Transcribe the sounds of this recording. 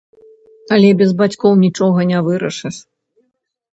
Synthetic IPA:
ɐlʲɛbʲɛzbat͡sʲkɔwnʲit͡ʂɔɣɐnʲavɨɾɐʂɨʂ

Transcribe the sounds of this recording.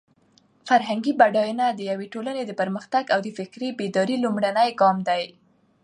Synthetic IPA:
faɾɦaŋɡibaɖɑjunad̪əjaweʈolaned̪əpəɾməxt̪aɡawd̪əfɪkɾebed̪ɑɾilumɽanəjɡɑmd̪aj

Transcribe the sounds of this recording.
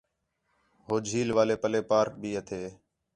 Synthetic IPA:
ɦoːd͡ʒʱiːlʋaːleːpəleːpaːɾbʱiːət̪ʰeː

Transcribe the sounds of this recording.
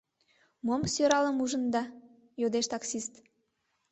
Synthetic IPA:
momsøɾɑləmuʒənd̪ɑ | jod̪eʃt̪ɑksist̪

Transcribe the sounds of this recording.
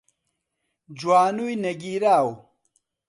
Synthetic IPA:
d͡ʑwaːnujnɐɡiːɾaːw

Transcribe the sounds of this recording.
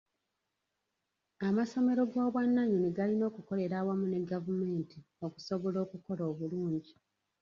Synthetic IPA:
amaso̞me̞ɾo̞ɡoːβwanːaɲuniɡalino̞ːkuko̞le̞ɾaːwamune̞ɡavume̞ːnti | o̞ku̥so̞βo̞lo̞ːkuko̞lo̞ːβuluːɲɟi

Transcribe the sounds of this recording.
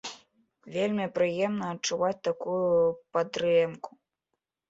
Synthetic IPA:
vʲelʲmʲipɾɨjɛmnɐːt͡ʂːuvat͡sʲt̪akujupad̪ɾɛmku̥

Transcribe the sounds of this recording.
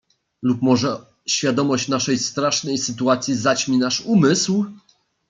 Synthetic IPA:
lupmɔʐɛ | ɕfʲjad̪ɔmɔɕt͡ɕnaʂɛjst̪ɾaʂnɛjsɘt̪uat̪sʲjizat͡ɕmʲinaʂumɘsw

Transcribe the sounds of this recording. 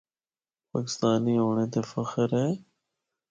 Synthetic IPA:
paːkɪ̥st̪aːniːɦoːɳ̃eːt̪eːfəxəɾɦɛː

